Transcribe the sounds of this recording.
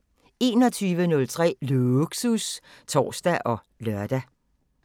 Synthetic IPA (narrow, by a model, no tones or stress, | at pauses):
e̝ːnɒ̽t͡sʰyːʋənɔ̽lt͡sʰʁɛ̰ːluɡ̥sust͡sʰɒ̰ːsd̥æʔɒ̽ | lɶɐd̥æ